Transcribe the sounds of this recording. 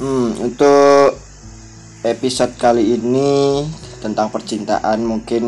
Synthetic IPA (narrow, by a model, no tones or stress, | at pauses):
mmṵnt̪ʊ | episɔt̪̚kaliːni | t̪ənt̪aŋpərt͡ʃint̪a̰ʔanmuŋkɪn